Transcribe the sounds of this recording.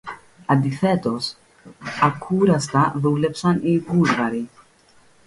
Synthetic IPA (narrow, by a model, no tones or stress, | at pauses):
ɐnd̪iθe̞t̪o̞s | ɐkʰuɾɐst̪ɐðule̞psɐniɣuzɣɐɾi